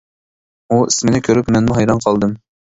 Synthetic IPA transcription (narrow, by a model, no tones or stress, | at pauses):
uismɪnɪkʲʰøɾypmɛnmuɦɑjɾɑnqʰɑlˠd̪ɨm